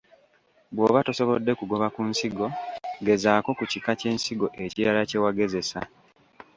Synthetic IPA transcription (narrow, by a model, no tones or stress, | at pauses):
bwo̞ːβatoso̞βo̞dːe̞kuɡo̞βakunsiɡo̞ɡe̞zaːko̞kucikace̞ːnsiɡo̞ʔe̞ciɾalace̞waɡe̞ze̞sa̰